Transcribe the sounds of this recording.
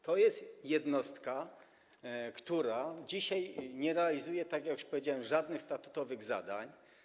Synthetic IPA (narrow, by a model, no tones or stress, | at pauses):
t̪ɔjɛst̪jɛd̪nɔst̪ka | kt̪uɾad͡ʑiɕajɲɛɾɛalʲizujɛt̪aɡʲjaku̥ʂpɔvʲed͡ʑawɛmʐad̪nɘxst̪at̪u̥t̪ɔvɘɣza̰d̪a̰ɲ